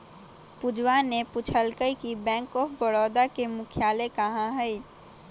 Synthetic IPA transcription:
pʊd͡ʒwanepʊt͡ʃʰəlkəikibɛ̃ːŋkɔːfʰbəɽɔːd̪akemʊkʰɪjaːlekəɦãɦɛi

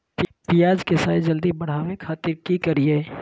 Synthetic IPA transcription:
pijaːd͡ʒkesaːjd͡ʒɐld̪ibɐɽ̤awẽkʰaːt̪ɪɾkikɐɾieː

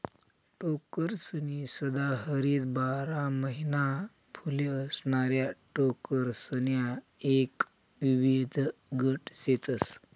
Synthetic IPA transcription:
ʈokəɾsənisəd̪aɦəɾiːt̪baɾaməɦina | pʰuleəsɳaɾjaʈokəɾsənja | ek | ʋiʋed̪ʱɡəʈset̪əs

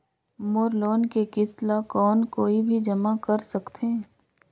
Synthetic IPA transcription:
moːɾloːnkekɪslakɔːnkoːibʱid͡ʒɐmakɐɾsɐkt̪ʰẽː

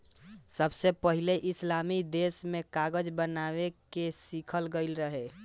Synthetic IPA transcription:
səbsepəɦileʔɪslaːmid̪eːsmẽkaːɡəd͡ʒbənawekesikʰəlɡəɪlɾəɦe

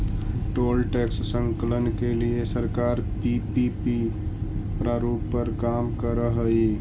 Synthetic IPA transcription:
ʈoːlʈɛkssə̃ŋkələnkeliesəɾkaːɾpipipi | pɾaɾupːəɾkamkəɾəɦəi

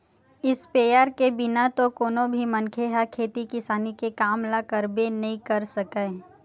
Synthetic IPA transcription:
ɪspeːjaːɾkebɪnat̪okoːnõbʱimɐ̃nkʰeɦakʰeːt̪ikɪsaːnikekaːmlakəɾbenɐɦĩkɐɾsɐkae

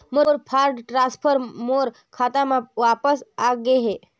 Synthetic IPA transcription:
moɾpʰaːɾɖʈɾãspʰəɾmoɾ | kʰaːt̪amãʋaːpəsaɡeɦe

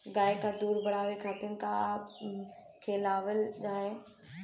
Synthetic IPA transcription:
ɡaːekʰad̪uːɾbʱɐɽ̤aːʋekʰaːt̪ɪənɪ̆kʰa | kʰeːlaːʋəld͡ʒaːɦeː

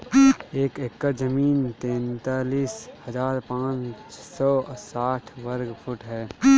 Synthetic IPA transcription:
eːkekːəɾd͡ʒəmiːnt̪ɛ̃ːnt̪aːliːshɐzaːɾpãːt͡ʃsɔːsaːʈʰʋɐɾɡpʰʊʈɦɛː

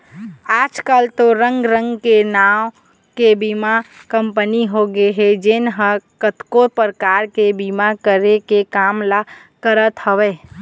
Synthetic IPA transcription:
aːd͡ʒkalt̪oɾə̃ŋɡɾə̃ŋɡkenaːw | kebimakə̃mpəniɦoɡeɦɛd͡ʒenɦəkət̪kopəɾkaːɾkebimakəɾekekaːmla | kəɾət̪həʋeː

